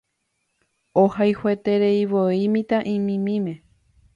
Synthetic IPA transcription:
ohajhwet̪eɾeiʋoimĩt̪aʔĩmĩmĩmẽ̞

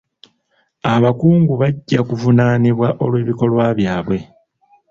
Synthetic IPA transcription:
aβakuːŋɡuβaɟːakuvunaːniβwaʔo̞lwe̞ːβiko̞lwaβjaːβwe̞

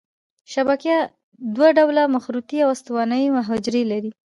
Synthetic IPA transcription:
ʃabakja | d̪waɖawlamaxɾut̪iawast̪awɑnəjmaɦɑd͡ʒɾelaɾi

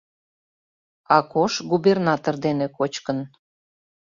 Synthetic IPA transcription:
ɑkoʃɡubernɑt̪ord̪enekot͡ɕkən

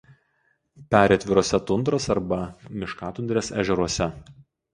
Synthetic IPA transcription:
pʲæːɾʲeɐt̪ʲʋʲɪɾoːsʲɛt̪ʊnd̪ɾoːsɐɾbɐmʲɪʃkɑːt̪ʊnd̪ʲɾʲeːsæ̰ːʒʲɛɾuɔsʲɛ

